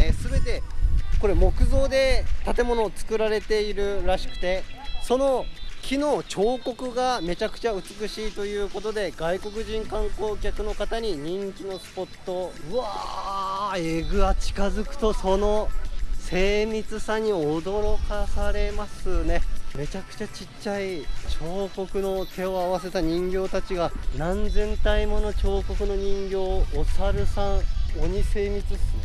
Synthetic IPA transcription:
sɨbe̞t̪e̞ko̞ɾe̞mo̞kɯ̟zo̞ːd̪e̞t̪at̪e̞mo̞no̞t͡sɨ̥kɯ̟ɾaɾe̞t̪e̞iɾɯ̟ɾaɕi̥kɯ̟̥t̪e̞so̞no̞kʲʰino̞ːt͡ɕo̞ːko̞kɯ̟ɡame̞t͡ɕakɯ̟̥t͡ɕaɯ̟t͡sɨ̥kɯ̟ɕiːt̪o̞jɯ̟ːko̞t̪o̞d̪e̞ɡaiko̞kɯ̟ʑĩŋkãŋko̞ːkʲakɯ̟no̞kat̪aɲ̟iɲ̟ĩŋkʲino̞sɨ̥po̞t̪ːo̞ɯ̟a | eɡɯ̟at͡ɕi̥kazɨkɯ̟̥t̪o̞so̞no̞se̞ːmʲit͡sɨsãɲ̟ːiod̪o̞ɾo̞kasaɾe̞masɨne̞me̞t͡ɕakɯ̟̥t͡ɕat͡ɕi | ait͡ɕo̞ːko̞kɯ̟no̞t̪ʰe̞o̞aβas̬e̞t̪aɲ̟ĩŋɡʲo̞ːt̪at͡ɕiɡanãnd͡zẽ̞nt̪aimo̞no̞t͡ɕo̞ːko̞kɯ̟no̞ɲ̟ĩŋɡʲo̞ːsaɾɯ̟sãŋoɲ̟ise̞ːmʲit͡sɨs

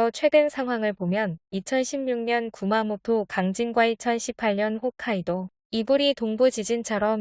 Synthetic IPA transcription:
ʌt͡ɕʰwe̞dɯnsʰaŋɦwaŋɯɭpomjʌnit͡ɕʰʌnɕʰimɲuŋɲʌnkumamotʰokaŋd͡ʑinɡwait͡ɕʰʌnɕʰipʰːaɭɲʌnɸokʰaido | ibuɾitoŋbud͡ʑid͡ʑint͡ɕʰʌɾʌm

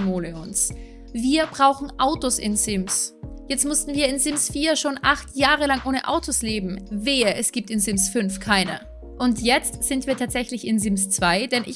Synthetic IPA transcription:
moːləʊns | viːɐbʁaʊxn̩ʔaʊtosʔɪ̰nzɪmsjɛt͡stmʊstn̩viːɐɪnzɪmsfiːɐʃoːnʔaχtʰjaːʁəlaŋʔoːnəʔa̰ʊtʰosleːbm̩veːɛsɡ̥iːp̚tɪnzɪmsfʏnfkʰaɪnə̰ | ʔʊntʰjɛt͡stz̥ɪntv̥iːɐtʰaːtz̥ɛçlɪçɪnzɪmst͡sv̥aɪd̥ɛnʔɪ

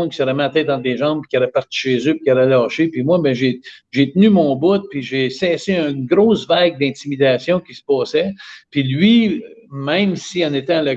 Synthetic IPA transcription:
kʲi̥səɾɛmat̪ɛːt̪ɑ̃d̪leʒɑ̃b̚pi̥kʲaɾɛpaʁt͡si̥ʃeːzøpi̥kʲaɾɛlaːʃepimwabɛ̃ʒeʒet̪nymɔ̃ːbʊt̪̚piʒesɛːseə̃ɡɾosvaɡ̚d̪ɛ̃t̪imid̪aːsjɔ̃kʲisə̥pɑːsɛpilɥimɛ̃msiãnet̪ɛ̃lə

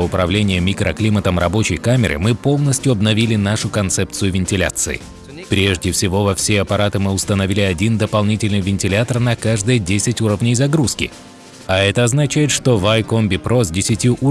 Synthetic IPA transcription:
əʊpɾɐvlʲenʲɪjəmʲikɾʔəklʲimət̪əmɾɐbo̞t͡ɕɪjkamʲɪɾɨ̰mɨpo̞lˠnəsʲtʲjʊɐbnɐvʲilʲɪnaʂʊkɐnt̪sɛp̪̚sɨjʊvʲɪnʲtʲɪlʲa̰t̪sɨɪ̰ | pɾʲe̞ʐdʲɪfsʲɪvo̞vɐfsʲeɐpɐɾat̪ɨmɨʊst̪ənɐvʲilʲɪɐdʲind̪əpɐlˠnʲitʲɪlʲnɨjvʲɪnʲtʲɪlʲat̪ərnɐkaʐd̪ɨjədʲesʲɪtʲuɾəvnʲɪjzɐɡɾuskʲɪ | ɐɛt̪əɐznɐt͡ɕæjɪt̪ʂt̪o̞vajkombʲɪpɾo̞sdʲɪsʲɪtʲjuʔu

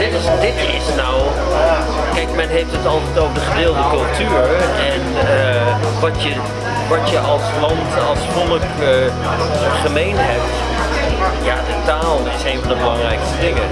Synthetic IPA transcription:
dɪtɪsdɪtɪsnɔw | kɛjk̚mɛnɦejftɦətɑlˠtɛtowvdəχədɪːlˠdəkɵlˠtyːɹɛnə | ʋɑtə | ʋɑtjəʔɑlˠslɑntɑlˠskɔlək | χəmejnɦɛp̚t | jaːdətaːlˠɪsejnvɑndəbəlɑŋrɛjkstədɪŋə

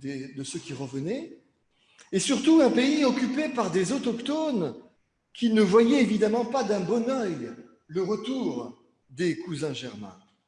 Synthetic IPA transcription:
d̪ed̪əsøkʲiʁəvənɛ | esyʁt̪uɛ̃peiɔkʲypepaʁd̪ezɔt̪ɔkt̪on | kʲinəvwajɛevid̪amɑ̃pad̪ɛ̃bɔnœj | ləʁət̪uːʁ | d̪ekuzɛ̃ʒɛʁmɛ̰̃

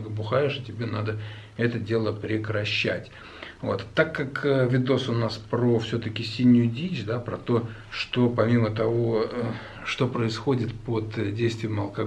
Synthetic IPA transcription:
ɡəbʊxajɪʂɨtʲɪbʲenad̪ə | ɛt̪ədʲe̞lˠəpɾʲɪkɾɐɕːætʲ | vo̞̰t̪ːakːakəvʲɪd̪o̞sʊnaspɾo̞fsʲot̪əkʲɪsʲinʲːʊjʊdʲit͡ɕd̪apɾɐt̪o̞ | ʂt̪o̞pɐmʲimət̪ɐvo̞ə | ʂt̪o̞pɾəɪsxo̞dʲɪt̪pəd̪dʲejst̪vʲɪjɪmɐlˠkɐ

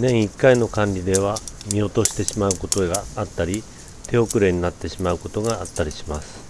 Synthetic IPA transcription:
nẽ̞ɰ̃ikːaino̞kãɲʲɾʲid̪e̞β̞amʲio̞t̪o̞ɕi̥t̪e̞ɕimaɯ̟ko̞t̪o̞ɡaːt̪ːaɾʲi | t̪ʰe̞o̞kɯ̟ɾe̞ɲ̟inat̪ːe̞ɕimaɯ̟ko̞t̪o̞ɡaːt̪ːaɾʲiɕimasɨ̥

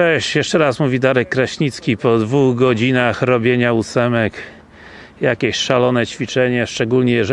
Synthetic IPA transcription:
ɛɕjɛʂt͡ʂɛɾasmuvʲid̪aɾɛkːɾaɕɲit̪skʲipɔd̪vuɣɡɔd͡ʑinaxɾɔbʲjeɲaut̪sɛmɛk | jakʲeɕʂalɔnɛt͡ɕfʲit͡ʂɛɲɛʂt͡ʂɛɡulɲɛjɛʐ

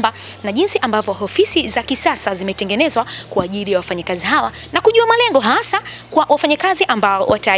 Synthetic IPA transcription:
ba | naʄinsiʔambavjɔɦɔfisizakisasazimɛtɛŋɡɛnɛzwakwaːʄilijawafaɲakaziɦawa̰ | nakuʄuamalɛŋɡɔɦasakwawʔafaɲakaziʔambaɔwʔata

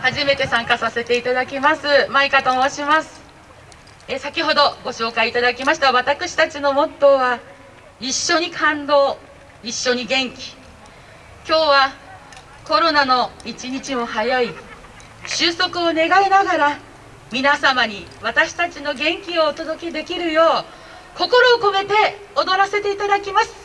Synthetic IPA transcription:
haʑime̞t̪e̞sãŋkasase̞t̪e̞it̪ad̪akʲimasɨmaikat̪omoɕimasɨ̥ | esakʲiɦo̞d̪o̞ɡo̞ɕo̞ːkait̪ad̪akʲimaɕi̥t̪aβat̪akɯ̟ɕi̥t̪at͡ɕino̞mo̞t̪ːo̞ːβa | iɕːo̞ɲ̟ikʰãnd̪o̞ː | iɕːo̞ɲ̟iɡẽ̞ŋkʲi̥ | kʲo̞ːβa | ko̞ɾo̞nano̞it͡ɕiɲ̟it͡ɕimo̞hajai | ɕɨːso̞kɯ̟o̞ne̞ɡainaɡaɾa | mʲinasamaɲ̟iβat̪aɕi̥t̪at͡ɕino̞ɡẽ̞ŋkʲio̞ːt̪o̞d̪o̞kʲid̪e̞kʲiɾɯ̟jo̞ː | ko̞ko̞ɾo̞ːko̞me̞t̪e̞ | od̪o̞ɾase̞t̪e̞it̪ad̪akʲimasɨ̥

